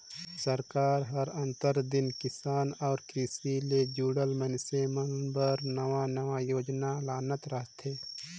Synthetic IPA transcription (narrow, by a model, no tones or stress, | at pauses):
səɾkaːɾɦəɾə̃nt̪əɾd̪ɪnkɪsaːnɔːɾkɾiːsiled͡ʒuːɽəlmənsemənbəɾnəʋanəʋajoːd͡ʒnalaːnət̪ɾəɦt̪ʰeː